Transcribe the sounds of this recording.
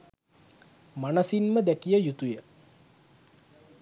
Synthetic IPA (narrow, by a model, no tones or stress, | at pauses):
manəsinməd̪ækijəjut̪ujə